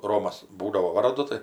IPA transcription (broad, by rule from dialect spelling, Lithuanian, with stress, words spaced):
ˈroːmɐs ˈbuːdɐʋoː ˈʋɐrdʊ ˈtɐɪ